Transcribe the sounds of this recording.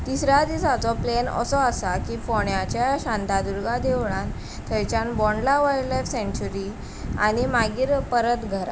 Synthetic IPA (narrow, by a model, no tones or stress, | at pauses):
t̪isɾad̪isat͡sɔplenə̰sɔasakiːfɔɳjat͡ɕjaɕãnt̪ad̪uɾɡad̪eʋɳãn | t̪ʰəjt͡ɕãnbɔ̃ɳɖlaʋajɽlajfsẽɲt͡ɕuɾi | a̰ñimaɡiːɾpəɾət̪ɡʱəɾa̰